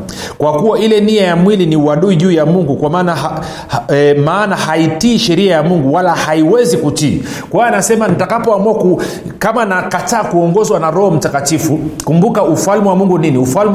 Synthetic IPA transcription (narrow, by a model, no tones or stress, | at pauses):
kwakuaʔilɛniajamwiliniuwaɗuiʄuːjamuŋɡukwamaːnaa | maːnahaitiːʃɛɾiajamuŋɡuwalahaiwɛzikutiːkwawaanasɛmanitakapɔamuaku | kamanakataːkuɔŋɡɔzwanaɾɔhɔm̩takatifukumbukaufalmɛwamuŋɡuniniufalm